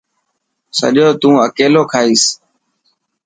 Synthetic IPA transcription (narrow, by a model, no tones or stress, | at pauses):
sə̰ʄoːt̪ũːəkeːloːkʰaːiːs